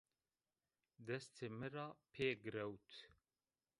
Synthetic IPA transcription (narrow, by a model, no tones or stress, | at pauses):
d̪ɛst̪ʰemɨɾɑːpʰeːɡɨɾɛwt̪ʰ